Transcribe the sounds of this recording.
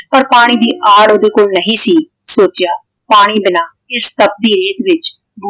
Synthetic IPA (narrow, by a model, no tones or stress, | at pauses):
pəɾpaːɽ̃iːd̪iːʔaːɽoːd̪eːkoːlnəɦĩːsiː | soːt͡ʃɪjaː | paːɽ̃iːbɪnaː | ɪst̪əp̚d̪iːɾeːt̪ʋɪt͡ʃ | b